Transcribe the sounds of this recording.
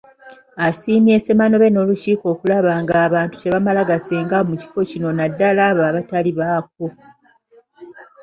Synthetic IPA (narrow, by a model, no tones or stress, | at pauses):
asiːmje̞ːsemano̞βe̞no̞ːluciːko̞ːkulaβaːŋɡaːβaːntu̥te̞βamalaɡase̞ːŋɡamuci̥fo̞cino̞nadːalaːβaːβataliβaːk̚o̞